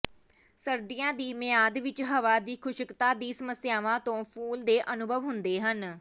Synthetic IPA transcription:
səɾd̪ɪjãːd̪iːmɪjaːd̪ʋɪt͡ʃɦəʋaːd̪iːkʰʊʃəkt̪aːd̪iːsəməsjaːʋãːt̪õːpʰuːld̪eːʔənʊbʱəʋɦʊnd̪eːɦən

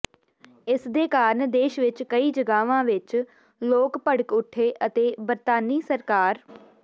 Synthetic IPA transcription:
ɪsd̪eːkaːɾəɳd̪eːʃʋɪt͡ʃkəiːd͡ʒəɡaːʋãːʋɪt͡ʃ | loːkpəɽkʊʈʰːeːʔət̪eːbəɾt̪aːniːsəɾkaːɾ

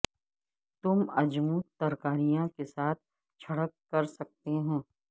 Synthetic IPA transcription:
t̪ʊmɐd͡ʒmut̪ɐɾkaːɾijãkesaːt̪̚ʰ | t͡ʃʰɐɽəkːɐɾsɐk̚t̪eɦõː

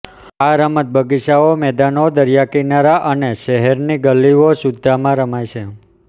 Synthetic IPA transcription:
aɾəmət̪̚bʱəɡiʃaomɛd̪anod̪əɾjakinaɾaʔəneʃɛɦɛɾniɡəlːiʋoʃud̪ʱːamãɾəmajʃʰe

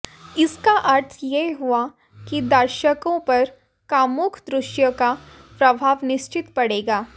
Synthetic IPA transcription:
ɪskaʔɐɾt̪ʰjeɦua | kid̪ɐɾʃəkõpɐɾ | kaːmʊkʰd̪ɾʊʃjəka | pɾɐbʱaːʋnɪʃt͡ʃɪt̪pɐɽeːɡaː

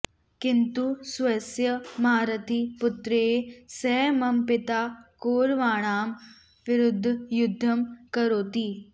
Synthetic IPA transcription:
kɪnt̪usʋɐsjɐmaːɾɐt̪ʰipʊt̪ɾeːsɛːmɐmpɪt̪aːkoːɾʋaːɽ̃aːm | ʋɪɾʊd̪ʱːjʊd̪ʱːɐmkɐɾoːt̪iː

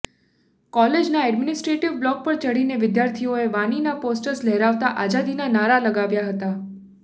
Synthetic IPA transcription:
kɔled͡ʒnaɛɖminɪsʈɾeʈiʋblɔk̚pəɾt͡ʃəɽineʋɪd̪jaɾt̪ʰioeʋaninaposʈəɾslɛɦɾaʋt̪aʔazad̪inanaɾaləɡaʋjaɦət̪a

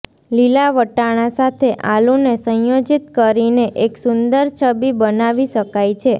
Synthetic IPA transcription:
lilaʋəʈaɽ̃ãsat̪ʰeʔalunesə̃jod͡ʒit̪̚kəɾineʔeksʊnd̪əɾt͡ʃʰəbibənaʋiʃəkajt͡ʃʰe

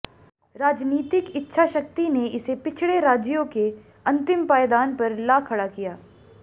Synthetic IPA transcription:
ɾaːd͡ʒniːt̪ɪkɪtːʃʰaʃɐk̚t̪ineʔɪsepɪt͡ʃʰɭeɾaːd͡ʒjõke | ɐ̃nt̪ɪmpaːjəd̪aːnpɐɾlaːkʰɐɽakijaː

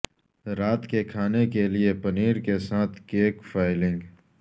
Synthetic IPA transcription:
ɾaːt̪kekʰaːnekeliepɐniːɾkesaːt̪ʰkeːkfaːɪlɪ̃ŋɡ

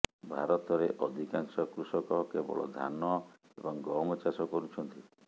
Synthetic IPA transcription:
bʱaɾɔt̪ɔɾeʔɔd̪ʱikaŋsɔkɾusɔkɔkebɔ̰ɭɔ̰d̪ʱa̰nɔ | ebɔŋɡɔɾmɔt͡ʃaɾsɔkɔɾut͡ʃʰɔnt̪i

